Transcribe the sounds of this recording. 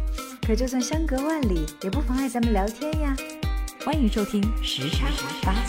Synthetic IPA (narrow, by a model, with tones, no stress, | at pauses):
kʰɤ˨˩t͡ɕjo˥˧ʊs̬wa˥˩ŋɕjɑ˥ŋkɤ˧˥wa˥˩nli˨˩˦jɛ˨˩pu˥˩fɑ˧˥ŋa˥˩ɪt͡sə˧˥nmə˧ljɑ˧˥ʊt̪ʰjɛ˥nja˧xwa˥ny˧˥ʂo˥ʊt̪ʰi˥ŋʂɻ̩˧˥ʈ͡ʂʰa˥˩ŋ˧˥pa˥